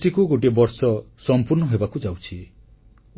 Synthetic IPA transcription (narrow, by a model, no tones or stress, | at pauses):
ʈikuɡoʈ̬iebɔɾsɔ | sɔmpuɾnɔɦebakud͡ʒawt͡ʃʰi